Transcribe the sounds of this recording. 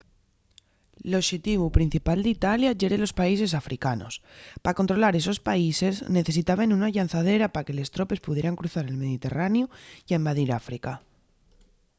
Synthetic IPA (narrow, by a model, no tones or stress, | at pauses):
loʃet̪iβupɾin̟θipald̪it̪aljaʝe̞ɾe̞lo̞spais̬e̞s̬afɾikano̞̰spako̞nt̪ɾo̞laɾe̞s̬o̞spaise̞zne̞θe̞s̬it̪aβanunaʎanθað̞e̞ɾapaɾake̞le̞st̪ɾo̞pe̞spuðje̞ɾaŋkɾuθaɾelme̞ðit̪e̞̰ranjuiembaðiɾafɾika